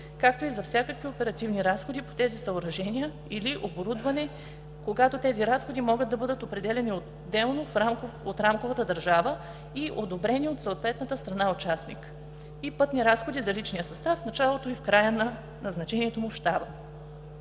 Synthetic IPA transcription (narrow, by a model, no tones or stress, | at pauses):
kak̚t̪oizɐfsʲjakəkviopɛɾɐt̪ivniɾasxod̪ipo̥t̪ɛzisɐoɾɐʒɛnʲijə | iliʔoboɾud̪vɐnɛ | koɡat̪ot̪ɛziɾasxod̪imɔɡɤəd̪ɐbɤd̪ət̪opɾɛd̪ɛlɛnio | d̪ːɛlˠnofaot̪ɾamkovət̪əd̪ɐɾʒavə | iʔod̪obɾɛniot̪səot̪vɛt̪nət̪əst̪ɾɐnaot͡ʃasnḭk | ipɤt̪niɾasxod̪izɐlit͡ʃnijəsɐst̪afnɐt͡ʃalˠot̪oifkɾajən | nɐznɐt͡ʃɛniɛt̪omofʃt̪abə